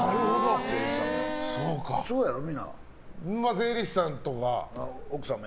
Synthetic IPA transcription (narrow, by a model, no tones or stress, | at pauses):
naɾɯod̪ozeɾiãesoːkasoojaɾomʲĩnːa̰ | mːazeːɾʲisɨ̥sãnt̪oka̰aokɯ̟sãm